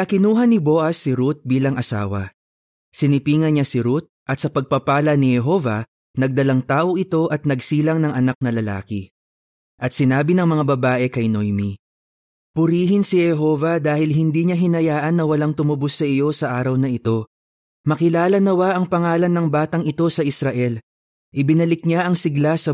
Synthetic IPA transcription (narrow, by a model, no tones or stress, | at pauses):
ʔɐkɪnuːɦɐnːibo̞ːʔɐsːɪɾut̪̚biːlɐŋʔɐsa̰ːwɐ̰ | sɪnɪpiːŋɐnɲasɪɾut̪̚ʔɐt̪sɐpɐɡ̚pɐpaːlɐnɪhɛɦo̞ːvɐ | nɐɡ̚d̪ɐlaŋt̪aːʔo̞ʔɪt̪o̞ʔɐt̪̚nɐɡsiːlɐŋnɐŋɐnak̚nɐlɐla̰ːkɪ | ʔɐt̪̚sɪnaːbinɐŋmɐŋabɐbaːʔɛkɐjnojmi | pʊɾiːɦɪnsihɛɦo̞ːvɐd̪aːhɪlɦɪnd̪iːɲaɦɪnɐjaːʔɐnːɐwɐlaŋt̪ʊmʊbʊsːɐʔɪjo̞sɐʔaːɾɐwnɐɪt̪o̞ | mɐkɪlaːlɐnɐwaʔɐŋpɐŋaːlɐnːɐŋbaːt̪ɐŋɪt̪o̞sɐʔɪsɾɐʔɛl | ʔɪbɪnɐlɪk̚ɲaʔɐŋsɪɡlasɐ